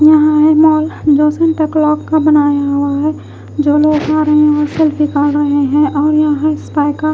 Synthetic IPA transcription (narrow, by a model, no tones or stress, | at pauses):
jɐɦãɦɛmɔːld͡ʒoːsənʈɛklɔːkkabɐnaːjaɦʊaɦɛ | d͡ʒoːloːɡkaɾəɦẽɔːɾsɛlfikəɾɾɐɦeɦɛ̃ʔɔːɾjɐɦãɦãɪspaːɪka